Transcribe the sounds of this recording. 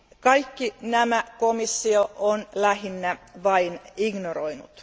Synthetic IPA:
kɑikːinæmækomisːioʔonlæhinːæʋɑiniɡnoroinṵt̪

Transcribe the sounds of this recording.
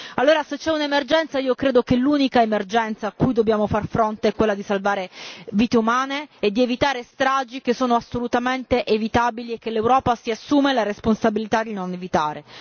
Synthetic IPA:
alːoːɾaset͡ʃːɛunemerd͡ʒɛnt̪saiːokɾeːd̪okeluːnikaemerd͡ʒɛnt̪saːkːujd̪objaːmofarfɾont̪eɛkːwelːad̪isalvaːɾeviːt̪eumaːneːd̪ːievit̪aːɾest̪ɾaːd͡ʒik̟esːoːnoasːolut̪ament̪eʔevit̪aːbiliek̟ːelːewɾɔːpasiasːuːmelaɾesponsabilit̪ad̪inonevit̪aːɾe

